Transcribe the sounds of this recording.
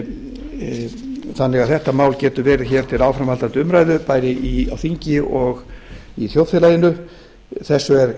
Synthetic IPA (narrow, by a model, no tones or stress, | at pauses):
θanːɛɣaðθɛht̪amaːwlcɛːt̪ʏvɛːɾɪðçɛːɾ̥t̪ʰɪlawfɾamhalt̪ant̪ʏʏmɾaːjðʏpaːjɾɪʔia̰wθiɲcɪɔɣiθjowðfɪlajðɪnʏ | θɛsːʏɛɾ